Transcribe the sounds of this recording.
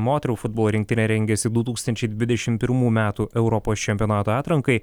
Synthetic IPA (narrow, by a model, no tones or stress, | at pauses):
moːt̪ʲɛɾʲɛʊfʊd̪bolˠoːɾʲɪŋk̚t̪ʲɪnʲɛɾʲɛŋʲɡʲɛsʲɪd̪ut̪uːkst̪ɐnʲt͡ʃʲɛɪd̪ʲʋʲɪd̪ʲɛʃʲɪmpʲɪɾmuːmʲæːt̪uːʔɛʊɾɔpoːst͡ʃʲɛmʲpʲɪjoːnɑːt̪oːɑːt̪ɾɐŋkɐɪ